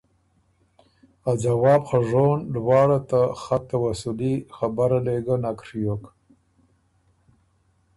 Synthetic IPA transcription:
ad͡ʒawɑːbxaʐoːnɖwɑːɽat̪axat̪ːawasulixabaɾaleɡanakɾjok

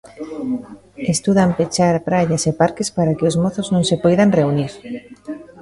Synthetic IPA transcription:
est̪uðampet͡ʃaɾpɾaʎasepaɾkespaɾakeʊsmoθʊznõŋsepɔjðaŋreuniɾ

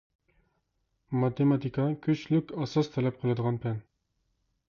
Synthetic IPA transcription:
mat̪emat̪ikɑkʲʰɵɕlʉkʲɑsɑst̪ʰælæp̚qʰɨ̆lˠɑd̪ɤʁɑnpæn

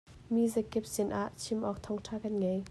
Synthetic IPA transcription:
miːzɛkːɛp̚sɪnʔaʔt͡sʰimʔɔk̚t̪ʰɔŋtʰaːkɐnŋɐj

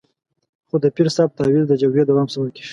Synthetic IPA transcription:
xod̪əpiɾsɑb̚t̪ɑwild̪əd͡ʒaɡɾed̪awɑmsawəki̥ʃ

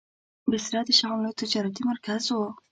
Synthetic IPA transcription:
bɪsɾɑd̪əʃaɣamlojt̪ɪd͡ʒɑɾat̪imaɾkazwo

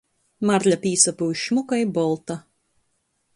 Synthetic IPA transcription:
maɾʎʲapiːsapuːʃmukajbɔlˠt̪a

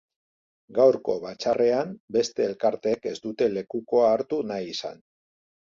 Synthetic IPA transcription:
ɡawɾko̞βat͡ʃare̞ambe̞st̪e̞ːlkaɾt̪e̞ːke̞zd̪ut̪e̞le̞kuko̞aːɾt̪unajisa̰n

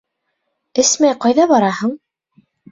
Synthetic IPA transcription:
ɘsmæjqɑjðɑβɑɾɑhɤɴ

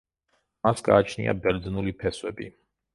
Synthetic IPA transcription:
masɡaːt͡ʃʰnḭa̰bɛɾd̪znulipʰɛswɛbḭ

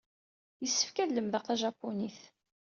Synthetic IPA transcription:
jəsːə̥fkælːəmðəʁθæʒɑpːuniθ

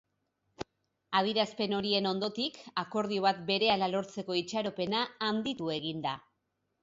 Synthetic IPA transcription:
að̞iɾaspe̞no̞ɾie̞no̞nd̪o̞t̪ikako̞ɾð̞io̞β̞at̪̚be̞ɾe̞alalo̞ɾt͡se̞ko̞it͡ʃaɾo̞pe̞naːnd̪it̪ue̞ɣ̞ind̪a

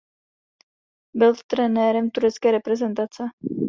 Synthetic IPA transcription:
bɪlt̪ɾɛnɛɾɛmt̪uɾɛt͡skɛːɾɛpɾɛzɛnt̪at͡sɛ

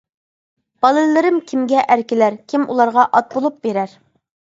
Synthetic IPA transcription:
b̥ɑlˠɨllːɪɾɪmkʲʰimɡʲɛʔæɾkʲɪlæɾkʲʰimṵlˠɑɾʁɑʔɑt̪̚bolˠup̚beɾæɾ

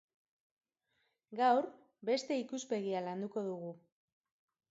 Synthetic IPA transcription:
ɡawɾ | be̞st̪e̞ikuspe̞ɣialand̪uko̞ðuɣu

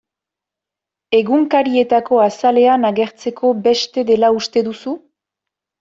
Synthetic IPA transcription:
e̞ɣuŋkaɾie̞t̪ako̞asale̞anaɣe̞ɾt͡se̞kʰo̞be̞st̪e̞ðe̞laust̪e̞ðusu

